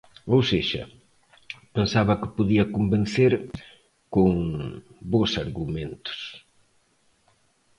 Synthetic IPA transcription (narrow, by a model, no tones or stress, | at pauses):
owseʃɐ̰ | pensaβɐkɪpoðiɐkomben̟θeɾ | koŋ | bosaɾɣumẽnt̪ʊ̥s